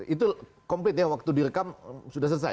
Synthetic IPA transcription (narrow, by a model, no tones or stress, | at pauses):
it̪u | kɔmplɪt̪̚jawak̚t̪udirəkamsudahs̬ərs̬a̰